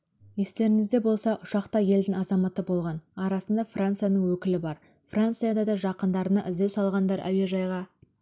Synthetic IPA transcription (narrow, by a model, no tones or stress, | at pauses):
je̞st̪e̞ɾɪŋɪzd̪e̞bo̞lˠsɑʔʊʃɑqt̪ɑje̞ld̪ɪŋɑzɑmɑt̪əbo̞lˠʁɑnɑɾɑsənd̪ɑfrant̪sɨjanəɴwɵkʲɪlɪbɑɾ | frant̪sɨjad̪ɑd̪ɑʒɑqənd̪ɑɾənɑʔɪzd̪ewsɑlˠʁɑnd̪ɑɾæ̰we̞ʒɑjʁɑ